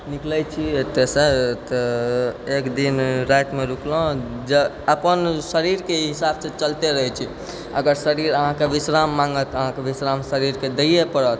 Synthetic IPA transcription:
niklət͡ʃʰiet̪ːesə̃t̪ɔ | ekd̪inɾajt̪meɾuklõd͡ʒe | əpənsəɾiɾkeɦisabsẽt͡ʃəlt̪eɾəɦɛt͡ʃʰi | ə̰ɡəɾsəɾiɾəɦãkebisɾamːaŋɡət̪əɦãkebisɾamsəɾiɾked̪əjepəɽət̪

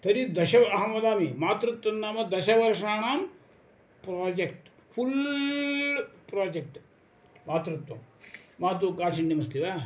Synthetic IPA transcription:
t̪ɐɾid̪ɐɕɐʋɐɦamɐd̪aːmimaːt̪ɾut̪ʋɐnːaːmɐd̪ɐɕɐʋɐɾʂaːɳ̃aːm | pɾaːd͡ʒek̚ʈ | fʰul | pɾoːd͡ʑek̚ʈ | maːt̪ɾut̪ʋɐmaːt̪̬ukaːʂiɳɖimɐst̪iʋa

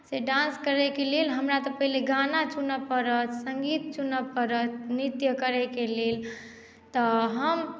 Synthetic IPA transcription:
seɖãnskəɾɛkelelɦəmɾat̪ɔpəɦileɡanat͡ʃunəpəɾət̪səŋɡit̪̚t͡ʃunəpəɾət̪nit̪jəkəɾɛkelel | t̪ɔɦəm

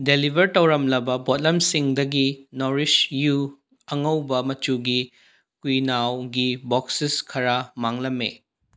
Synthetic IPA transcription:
delibʱɐɾtɐwɾɐmlɐbɐbot̚lɐmsiŋdɐɡinoɾisju | ɐŋɐwbɐmɐt͡ʃuɡi | kujnawɡiboksiskʰɐɾamaŋlɐmːḛ

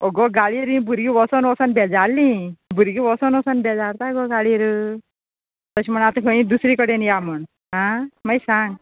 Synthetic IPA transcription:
oɡɔɡaɭiɾĩbʱuɾɡiʋɔsɔnɔsənbʱɛd͡zalːĩbuɾɡiʋɔsɔnɔsənbʱɛd͡zaɾt̪aɡoɡaɭiɾ | t̪əɕim̤əɳat̪əkʰəĩd̪usɾikəɽenjaməɳ | ɦãməjsaŋɡ

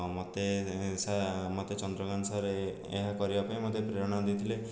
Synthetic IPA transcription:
mot̪esamot̪et͡ʃɔnd̪ɾɔɡansaɾeː | ɦakɔɾibapaĩmot̪epɾeɾɔɽ̃ɔd̪it̪ʰile

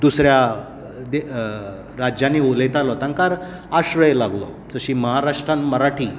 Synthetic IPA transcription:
d̪usɾja | d̪e | ɾad͡ʑjanːiːulət̪alɔt̪ãŋkaɾ | aɕɾəjlaɡlɔ̰ | d͡zəɕiːməɦaɾaʂʈɾãnməɾaʈʰiː

